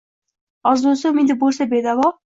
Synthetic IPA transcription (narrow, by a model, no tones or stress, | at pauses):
ɒzd̪osomɪnd̪ɪbolˠsabed̪avɒ